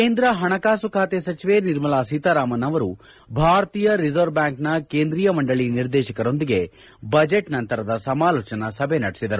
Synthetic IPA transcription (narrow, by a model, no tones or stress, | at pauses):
keːnd̪ɾɐɦɐɳɐkaːsukʰaːt̪esɐt͡ʃiʋeniɾmɐlaːsit̪aɾaːmɐnɐʋɐɾu | bʱaːɾt̪iːjɐɾizɐɾbjaːŋknɐkeːnd̪ɾijɐmɐɳɖɐɭiniɾd̪ɛːʃɐkɐɾo̞nd̪iɡe̞ | bɐd͡ʒeʈnɐnt̪ɐɾɐd̪ɐsɐmaːloːt͡ʃɐnɐsɐbʱenɐɽisid̪ɐɾu